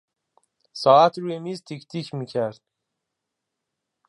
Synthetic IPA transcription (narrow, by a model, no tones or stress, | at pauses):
sɒːæt̪ʰɾuːjemiːzt̪ʰicʰt̪ʰiːcʰmiːcʰæɾd̪̥